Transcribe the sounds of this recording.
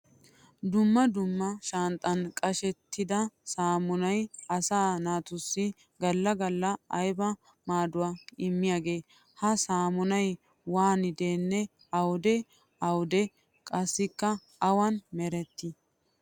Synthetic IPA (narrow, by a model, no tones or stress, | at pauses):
d̪ʊmːɐd̪ʊmːɐʃɐnt̪ʼːɐnkʼɐʃɛt̪ːɪd̪ɐsaːmʊnɐjɐsaːnaːt̪ʊsːɪ | ɡɐlːɐɡɐlːɐɐjbɐ | maːd̪ʊwaɪmːɪjaːɡe̞ː | hɐsaːmʊnɐj | waːnɪd̪eːnːɛ | ɐwd̪ɛ | ɐwd̪ɛ | kʼɐsːɪkːɐ | ɐwɐnmɛɾɛt̪ːɪ